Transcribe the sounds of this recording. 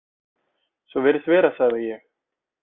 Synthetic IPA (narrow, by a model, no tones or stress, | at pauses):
svɔvɛɾɪθvɛːɾasaːðɪjɛx